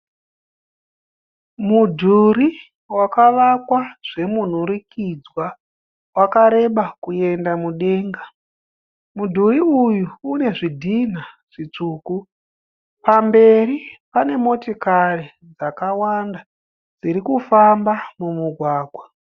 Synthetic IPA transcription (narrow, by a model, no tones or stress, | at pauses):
mudʱuɾi | wakaʋakwaʐ̥e̞mun̤uɾikʰid͡zwa | wakaɾe̞ɓakue̞ndamuɗe̞ːŋɡa | mudʱuriujuːne̞ʐidʱin̤aʐ̥it͡ʂuːku | pambe̞ɾipane̞mo̞tikari | d͡zakawanda | d͡ziɾikufambamumuɡʱwaːɡʱwa